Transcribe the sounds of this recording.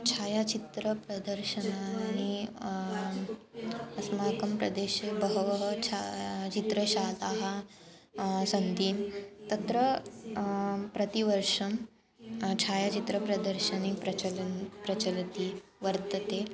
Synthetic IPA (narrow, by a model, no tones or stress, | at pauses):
t͡ɕʰaːjat͡ɕit̪ɾəpɾɐd̪əɾɕənaːñi | ɐsmakəmpɾɐd̪eɕebəɦʋəɦət͡ɕʰat͡ɕit̪ɾəɕalaɦa | sənd̪ʱiːnt̪ɐt̪ɾə | pɾət̪iʋəɾʂɐm | t͡ɕʰajat͡ɕit̪ɾəpɾɐd̪əɾɕənipɾɐlpɾɐt͡ɕəlt̪iːʋəɾt̪ət̪e